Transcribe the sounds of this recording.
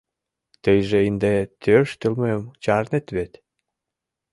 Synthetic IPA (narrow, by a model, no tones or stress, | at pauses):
t̪əjʒeind̪et̪ʰøʃt̪əlmemt͡ɕɑrnet̪βet̪